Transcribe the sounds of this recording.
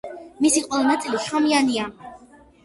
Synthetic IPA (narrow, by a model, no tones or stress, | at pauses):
misiqʼwɛlɛnat̪sʼiliʃamiania